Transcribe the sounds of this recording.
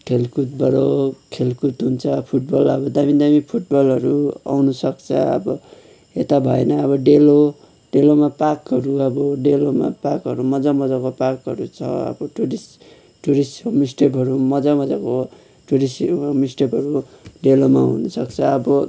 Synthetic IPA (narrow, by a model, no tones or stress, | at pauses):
kʰelkut̪̚bʱʌɾokʰelkut̪ɦunt͡sʰʌpʰuʈ̚bʌlʌbʌd̪abid̪amipʰuʈ̚bʌlɦʌɾua̰wnusʌkt͡sʰʌ̰ʌ̰bʌ | et̪abʱʌenʌʌβʌɖelo | ɖelomapakɦʌɾuʌbʌɖeloma̰pakɦʌɾumʌd͡zamʌd͡zakopakɦʌ̰ɾut͡sʰʌ̰ʌ̰bʌʈuɾis | ʈuɾismisʈepʌɾumʌd͡zamʌd͡zako | ʈuɾismisʈepɦʌɾu | ɖelomaunʌsʌkt͡sʰʌːbʌ